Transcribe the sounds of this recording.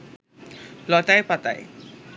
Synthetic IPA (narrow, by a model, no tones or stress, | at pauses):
lɔt̪ajpat̪a̰j